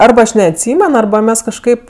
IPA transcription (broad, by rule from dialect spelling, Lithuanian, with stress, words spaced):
ˈɐrbɐ ˈɐʃ nʲɛɐtʲˈsʲiːmʲɛn ˈɐrbɐ ˈmʲɛs kɐʃˈkɐɪp